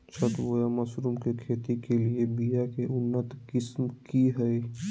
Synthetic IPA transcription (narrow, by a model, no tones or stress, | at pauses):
t͡ʃʰət̪ʋojamɐsɾuːmkekʰeːt̪ikeliebijakeʔʊnːət̪kɪsmkiɦɛi